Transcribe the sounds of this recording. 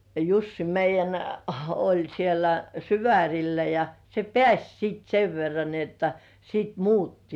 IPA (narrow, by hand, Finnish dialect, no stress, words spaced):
jɑ jusːi meijˑæn olʲ sielːæ syʋærʲilːæ jɑ se pĕæsʲ siˑt seʋ ʋerːɑn ni otːɑ siˑt muːtːi